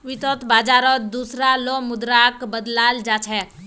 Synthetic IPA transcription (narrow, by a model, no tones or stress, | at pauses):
ʋit̪ɔt̪baːd͡ʒaːɾɔt̪d̪uːsɾalomʊd̪ɾaːkbəd̪laːld͡ʒaːt͡ʃʰɛ